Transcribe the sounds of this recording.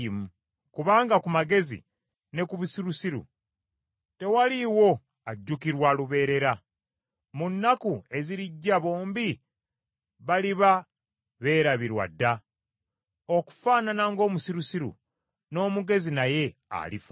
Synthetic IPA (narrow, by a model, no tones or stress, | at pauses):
mu | kuβaːŋɡakumaɡe̞zḭ | ne̞kuβusiɾusiɾṵ | te̞waliwo̞ | aɟːukiɾwaluβe̞ːɾe̞ɾa | munːakue̞ziɾiɟːaβo̞ːmbi | βaliβa | βe̞ːɾaβiɾwa̰dːa | o̞ku̥faːnanaŋɡo̞ːmusiɾusiɾṵ | no̞ːmuɡe̞zinaje̞a̰lifa